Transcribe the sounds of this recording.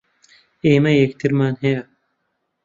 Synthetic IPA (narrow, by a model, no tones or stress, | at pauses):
eːmɐjeːkt̪ʰiɾmaːnɦeja